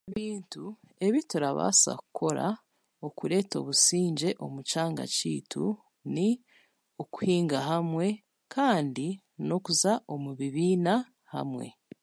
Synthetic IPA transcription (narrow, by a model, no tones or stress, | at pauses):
eβiːntu | e̞βituɾaβa̰ːsa̰ku̥kʰo̞ɾa̰ | okuɾe̞ːto̞̰ːβusiːɲɟe̞ʔo̞mut͡ʃaːŋɡa̰cḭːtʰṵ | ni | oku̥hiːŋɡaɦamwe̞ | kʰaːndi | no̞kuzaʔo̞muβiβiːna | ha̰mwe̞̰